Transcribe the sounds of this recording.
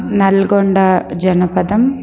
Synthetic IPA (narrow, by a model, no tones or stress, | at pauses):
nɐlɡoɳɖɐd͡ʒɐnɐpɐd̪ɐm